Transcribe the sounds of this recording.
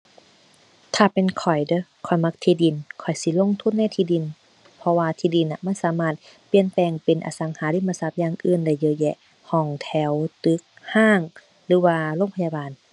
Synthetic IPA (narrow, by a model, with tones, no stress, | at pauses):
t̪ʰaː˧˩pe˨nkʰɔ˨˩jdɤ˧˦kʰɔ˨˩jma˧k̚t̪ʰiː˧di˨˩nkʰɔ˨˩jsi˧˦lo˧˥˨ŋt̪ʰu˧˥˨nːa˧˥˨jt̪ʰiː˧di˨n | pʰɔ˧waː˧t̪ʰiː˧˩di˧˩nʔa˧˨ma˧˥˨nsaː˨˦maː˧˩t̪̚ | pi˧ənpɛː˨˩ŋpe˨nʔa̰˨˧sa˨˦ŋhaː˨˦li˧˨maː˧˨sa˧˩p̚jaː˧˨ŋʔɯː˧˨nda˧˩jːɤː˧jɛ˧˨ʔ | hɔː˧˩ŋt̪ʰɛ˧˩wt̪ɯ˧˦k̚haː˧˥˩ŋ | lɯː˨˦waː˧loː˧˥˨ŋpʰa˧jaː˧baː˨n